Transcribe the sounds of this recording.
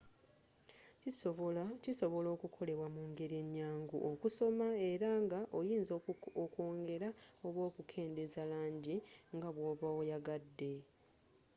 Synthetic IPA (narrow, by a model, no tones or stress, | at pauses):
cisoβciso̞βo̞lo̞ːkukʰo̞le̞βwamuŋɡe̞ɾie̞ɲːaːŋɡṵʔokusomae̞ɾaŋɡaʔo̞jiːnzooko̞ːŋɡe̞ɾao̞βwo̞ːkukʰe̞ːnde̞zalaːɲɟiŋɡaβwoːβaojaɡadːe̞